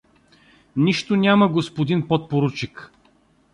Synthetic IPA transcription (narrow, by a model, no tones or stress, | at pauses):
niʃt̪onʲaməɡospod̪inpɔt̪̚poɾut͡ʃik